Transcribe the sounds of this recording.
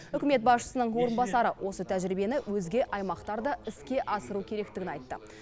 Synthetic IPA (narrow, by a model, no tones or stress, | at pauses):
ʏkʲɪme̞t̪̚bɑsʃə̥sənəɴwo̞ɾənbɑsɑɾəwʔo̞sət̪ʰæʒɪɾɪbe̞nɪwʔɵzɡʲe̞ʔɑjmɑqt̪ɑɾd̪ɑɪskʲe̞ʔɑsəɾukʲʰe̞ɾe̞kt̪ɪɡʲɪnɑjt̪ːə̰